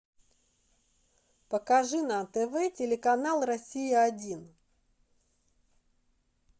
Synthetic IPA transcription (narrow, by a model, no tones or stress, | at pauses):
pəkɐʐɨnat̪ɛvɛtʲɪlʲɪkɐnalˠrɐsʲijɪɐdʲin